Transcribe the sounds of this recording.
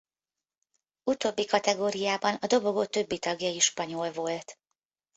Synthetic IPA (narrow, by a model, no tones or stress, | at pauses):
ut̪oːbːikɒt̪ɛɡoːɾijaːbɒnɒd̪o̞bo̞ɡot̪ø̞bːit̪ɒɡjɒjiʃpɒɲo̞lvo̞lt̪